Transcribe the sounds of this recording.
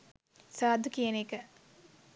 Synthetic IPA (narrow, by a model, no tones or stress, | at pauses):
saːd̪ʱukijɐneːkɐ